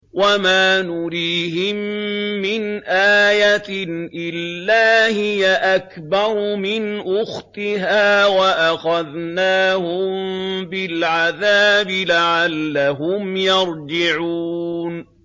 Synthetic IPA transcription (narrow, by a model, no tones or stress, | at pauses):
wamaːnʊɾiːɦɪmːɪnʔaːjat̪ʔɪlːaːhɪjaʔak | bɑɾˤmɪnʔʊxt̪ɪɦaːwaʔaxaðnaːhʊmbɪlʕaðaːbɪlaʕalːaɦʊmjɑɾˤd͡ʒɪʕuːn